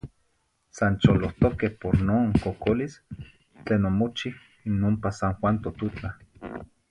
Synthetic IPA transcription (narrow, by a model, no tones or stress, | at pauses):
sant͡ʃoloht̪okehpoɾnoːŋkokolis | t͡ɬeːnomot͡ʃih | inompasaŋxwant̪ot̪ut͡ɬa